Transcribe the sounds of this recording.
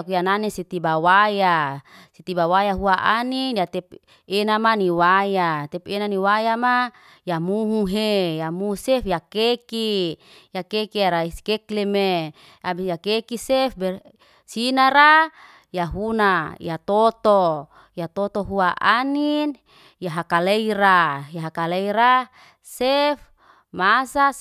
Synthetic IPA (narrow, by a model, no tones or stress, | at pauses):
kujananisit̪ibawajasit̪ibawajaɦuaʔanidat̪ɛp̚ | enamaniwajat̪ɛpenaniwajama | jamuɦuɦejamuusefjakekijakekiaɾaiskekleme | abijakekisefbɛ | sinaɾa | jaɦunajat̪ot̪o | jat̪ot̪oɦuaʔanin | jaɦakaleiɾajaɦakaleiɾa | sef | masa